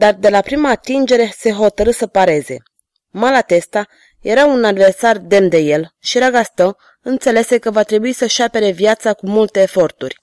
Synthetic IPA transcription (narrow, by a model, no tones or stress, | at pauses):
d̪ard̪e̞lapɾimaːt̪ind͡ʒe̞ɾe̞se̞ɦo̞t̪əɾɨsəpaɾe̞ze̞̰ | malat̪e̞st̪a | je̞ɾaunad̪ve̞rsard̪e̞mnd̪e̞je̞lʃiɾaɡast̪ə | ɨnt̪se̞le̞se̞kəvat̪ɾe̞buisəʃape̞ɾe̞vjat̪sakumult̪e̞ːfo̞rt̪urʲ